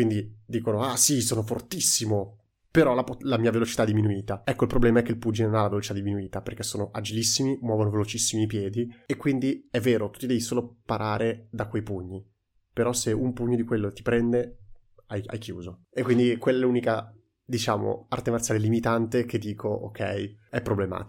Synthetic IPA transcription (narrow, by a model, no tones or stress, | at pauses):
kwind̪id̪iːkonoasisoːnofort̪isːimo | peɾɔlaplamiːavelot͡ʃit̪ad̪ːiminuiːt̪aɛkːoilpɾoblɛːmaɛkːeilpud͡ʒinnonalavelot͡ʃi̥t̪ad̪iminuiːt̪aperkesːoːnoʔad͡ʒilisːimimwɔːvonovelot͡ʃisːimiːpjɛːd̪iekːwind̪iɛvːeːɾot̪u̥t̪ːid̪ɛvisoːlopaɾʔaːɾed̪akwejpuɲːi | peɾɔseumpuɲːod̪ikwelːot̪i̥pɾɛnd̪e | aja̰jkjṵːzo | ekːwind̪ikwelːaɛluːnika | d̪it͡ʃaːmo̰art̪emart̪sjalelimit̪ant̪ek̟ed̪ːiːkʰoʔo̰kʰːɛ̰jɛpːɾoblema̰ːt̪